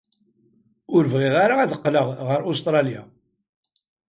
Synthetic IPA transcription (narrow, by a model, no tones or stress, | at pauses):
ʊɾvʁɪʁaɾaæðəqːləʁʁəɾost̪ɾˤɑlja̰